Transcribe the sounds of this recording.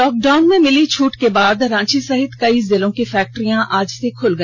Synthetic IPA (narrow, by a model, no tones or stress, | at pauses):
lɔːk̚ɖaːʊnmẽmɪlit͡ʃʰuːʈkebaːd̪ɾãːt͡ʃisɐɦɪt̪kɐiːzɪlõkifɛːk̚ʈɾijãʔaːd͡ʒsekʰʊlɡɐ̃